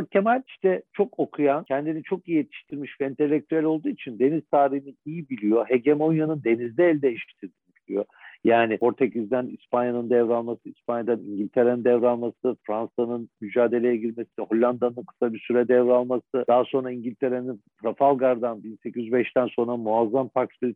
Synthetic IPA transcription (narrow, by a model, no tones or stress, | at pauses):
acʰemalʲiʃt̪ɛt͡ʃʰo̞kokʰujancʰɛnd̪init͡ʃʰo̞kijijet̪ʰi̥ʃt̪ʰiɾmiʃvɛint̪ʰe̞lʲːek̚t̪ʰyælʲolˠd̪uːit͡ʃʰind̪e̞niz̥t̪ʰaːɾiɦiniijibilʲijo̞ɦeɟemonjanɯnd̪e̞nizd̪ʲɛːlʲd̪ejiʃi̥ʃt̪ʰiɾd̪inibilʲḭjo̞ | jaːnio̞ɾt̪ʰecizd̪ænispanjanɯnd̪ɛvɾalˠmasɯispʰanjad̪aniɲɟilʲt̪ʰe̞ɾenɯnd̪ɛvɾalˠmasɯfɾansanɯnmyd͡ʒaːd̪e̞lʲe̞jɛɟiɾʲmesiho̞lʲːand̪anɯnkʰɯ̥sabiɾsyɾɛd̪ɛvɾalˠmasɯd̪̥aɦso̞nɾaiɲɟilʲt̪ʰe̞ɾeninpʰɾafalˠɡaɾd̪anbinsecʰizybɛʃt̪ʰænso̞nɾamuazːampʰaksbiɾ